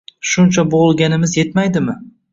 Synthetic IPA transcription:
ʃʊnt͡ʃʰabolˠɡʲanɪmɪzje̞t̪majd̪ɪmɪ

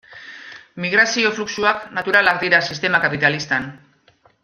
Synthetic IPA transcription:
miɣ̞ɾasio̞fluksuaknat̪uɾalaɡd̪iɾasist̪e̞makapit̪alist̪an

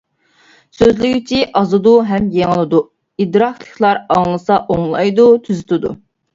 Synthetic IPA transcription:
søzlɪɡʲyt͡ʃʰiʔɑzɨd̪uɦɛmjeŋɨlˠɨd̪u | id̪ɾɑkʰlˠəkʰʲlˠɑɾɑŋlˠɨsɑʔoŋlˠɑjd̪ut̪ʰyzɪt̪ʰɨd̪ṵ

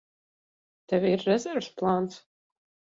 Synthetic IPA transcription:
t̪ɛvʲiɾːɛzɛɾvsplˠaːnt̪s

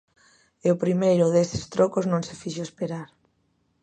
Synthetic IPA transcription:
ɪʊpɾimejɾʊðesɪ̥st̪ɾokoznõŋsɪfiʃoespeɾaɾ

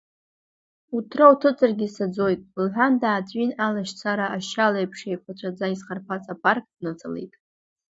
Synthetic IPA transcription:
utʰrautʰɨt͡sʼarɡʲisad͡zo̞jtʼlħʷᶣandaːt͡sʼinalaʃt͡sʰaɾaaʃalaejpʰʂejkʷʰat͡ʃʷʰʼad͡zaizχarpʰat͡sʼapʰark̚ʼdnat͡sʰʼalḛjtʼ

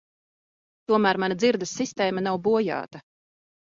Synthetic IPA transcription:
t̪uɔmæːɾmanad̪ziɾd̪ɐsːist̪eːmanawbuɔja̰ːt̪ɐ

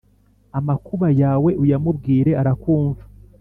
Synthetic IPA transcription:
amakuβajaːwe̞ʔujamubɡiːɾe̞aɾakuːɱva

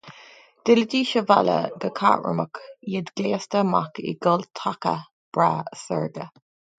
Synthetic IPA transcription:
d̪̥ɪlədiːʃəvalə̰ɡəkʰaːʔɹə̰məkjid̪ɡleːst̪əma̰kḭɡɔlt̪ʰakə̰ | b̥ɹaːəsəɹɡə

